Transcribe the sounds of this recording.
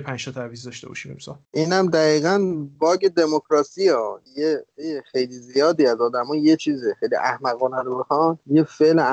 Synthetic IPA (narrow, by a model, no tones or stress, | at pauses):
pʰæ̃nd͡ʒt̪ʰɒt̪ʰæɾvizd̪ɒʃt̪ebɒ̰ʃid̪emsɒlʔiːnæmd̪æɣiːɣænbɒːɟed̪e̞mokʰɾɒːsiːɒːjeexe̞jliːzijɒːd̪iːæzɒːd̪æmɒːjjet͡ʃʰiːzexejlḭʔæhmæɣɔːnæɾobexɒnjefel